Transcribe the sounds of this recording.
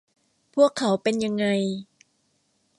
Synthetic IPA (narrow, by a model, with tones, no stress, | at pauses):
pʰu˥˩əkʰːa˩˦wpe˧nja˧ŋːa˧j